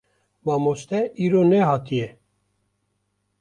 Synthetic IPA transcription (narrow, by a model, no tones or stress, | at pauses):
wɑːmost̪ɛʔiːɾoːnɛhɑːt̪ʰije